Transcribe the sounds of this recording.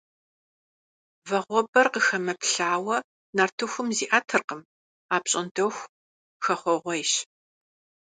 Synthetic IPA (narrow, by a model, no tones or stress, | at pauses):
vɐʁʷɔbɐrqəxɐmɐpɬaːwɐ | naːrtʰɨxʷʊmziːʔatʰɨrqəm | aːpɕʼɐndʰɐwxʷ | xɐχʷɔʁʷɔjɕ